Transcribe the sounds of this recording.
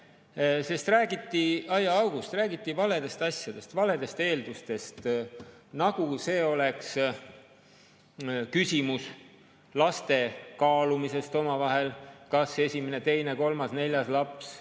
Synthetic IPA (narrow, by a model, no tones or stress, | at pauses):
se̞st̪ræːɡit̪ːˑiɑjɑɑwɡ̥ust̪ræːɡ̥it̪ːivɑle̞d̪e̞st̪ɑsʲjɑd̪̥e̞st̪vɑle̞d̪e̞st̪e̞ːld̪̥ust̪e̞st̪ | nɑɡ̥use̞ːo̞le̞ks | kysʲimus | lɑst̪e̞kɑːlumise̞st̪o̞mɑvɑɦe̞lkɑse̞sʲimene̞t̪e̞jne̞ko̞lmɑsne̞lʲjɑslɑps